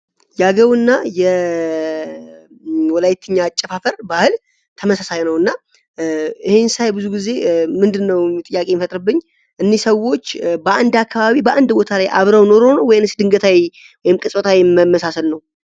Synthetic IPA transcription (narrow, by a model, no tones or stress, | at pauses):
jaɡəwɨnːajɛ | wɔlajt̪ʰɨɲːat͡ʃʼːəfafəɾbahɨl | t̪ʰəməsasajnəwɨnːa | ɨhe̞nsajbɨzuɡize̞mɨnd̪ɨnːəwt̪ʼɨjːakʼe̞jmfət̪ʼɾɨbːɨɲː | ʔɨnːisəwo̞t͡ʃːbəʔand̪akːaβaβibəʔand̪bo̞t̪ʰalajʔa̰βɾəwno̞ɾonəwɔjɨnɨsd̪ɨŋɡət̪ʰawi | wɔjɪmkʼɨsʼət̪ʰawimmːəsasəlnəw